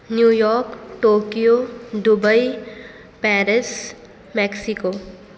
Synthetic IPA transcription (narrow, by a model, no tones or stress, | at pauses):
njuːjɔːɾkʈoːkijodubəi | pɛːɾɪs | mɛksiko